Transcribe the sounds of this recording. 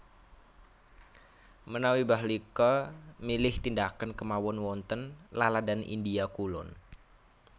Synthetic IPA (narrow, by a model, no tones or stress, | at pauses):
mənawibaɦlikamilɪht̪indakankəmawɔnwɔnt̪ənlaladanʔḭndiakulɔ̰n